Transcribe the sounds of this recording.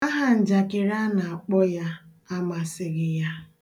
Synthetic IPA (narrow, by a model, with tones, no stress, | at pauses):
a˦ɦa˨n̩˨d͡ʒa˨kɪ˨ɾa˦na˨a˨k͡pɔ˦ja˦ | a˦ma˨sɪ˨ɣɪ˨ja˦